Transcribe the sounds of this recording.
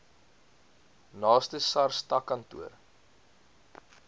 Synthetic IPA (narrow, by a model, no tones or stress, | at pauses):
nɑːstəsɐrstɐkɐntṵər